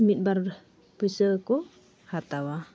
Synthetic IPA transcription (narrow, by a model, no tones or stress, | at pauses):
mit̪̚ˀbaɾ | pəsəkɔ | hat̪awa